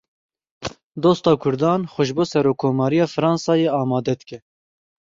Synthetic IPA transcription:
d̪oːst̪ɑːkʰʊɾd̪ɑːnxʷɛʃboːsɛɾoːkʰːoːmɑːɾijɑːfɨɾɑːnsɑːjeːɑːmɑːd̪ɛd̪ɨkʲɛ

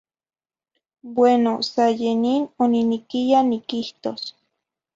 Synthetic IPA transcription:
bwenosajeninoninikijanikiht̪os

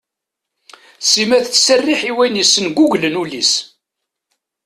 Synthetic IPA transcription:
simæθt͡sːsərːiħiwæjnisːənɡuʝlənulis

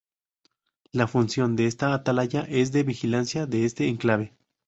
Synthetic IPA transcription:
lafunsjo̞nd̪e̞est̪aːt̪alaʝaʔe̞z̬ðe̞βixilansjaðeest̪e̞ːŋklaβe

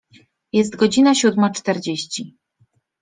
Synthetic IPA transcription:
jɛst̪ɡɔd͡ʑinaɕud̪mat͡ʂt̪ɛɾd͡ʑeɕt͡ɕi

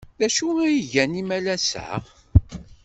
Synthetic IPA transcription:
ðæʃuijʝænimælæsə̰ʁ

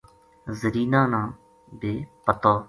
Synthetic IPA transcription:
zəɾiːnãːnãː | beːpət̪oː

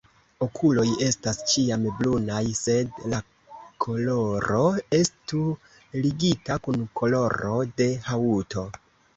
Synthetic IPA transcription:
o̞kʰulo̞je̞stast͡ʃiamblunajse̞dla | kʰo̞lo̞ɾo̞e̞stu | liɡitakunkʰo̞lo̞ɾo̞de̞hauto̞

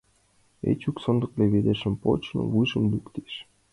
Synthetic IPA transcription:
ḛt͡ɕuksɤ̆nd̪ɤ̆kleβed̪eʃə̆mpo̰t͡ɕnɤ̰βujʒə̆mlʲykt̪eʃ

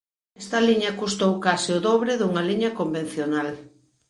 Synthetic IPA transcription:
ɛst̪ɐliɲɐkust̪owkasɪʊðɔβ̞ɾɪðuŋɐliɲɐkomben̟θjonal

